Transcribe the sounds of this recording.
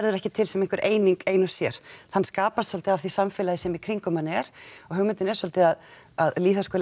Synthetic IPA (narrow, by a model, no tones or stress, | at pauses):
ɾðʏɾɛhcɪt̪ʰɪlsɛmẽŋkvʏɾʔeːjniŋkeːjnʏ̥sjɛɾ̥θanskaːpast̪fɔlt̪ɪavθisamfɪːlajɪsɛmikʰɾiŋkʏmanːɛɾ̥ɔɣɦʏɣmʏɪnt̪ɪnɛɾsɔlt̪ɪað | aðliːθaskoːl